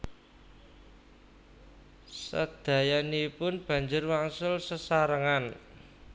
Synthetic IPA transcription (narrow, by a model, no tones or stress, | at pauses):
sə̰d̪̥ä̤janipʊnb̥ä̤ɲd͡ʒʊrwaŋsʊlsəsaɾəŋan